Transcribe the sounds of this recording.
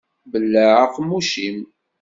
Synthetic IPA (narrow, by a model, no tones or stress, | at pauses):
bəlːaʕaqːmuʃim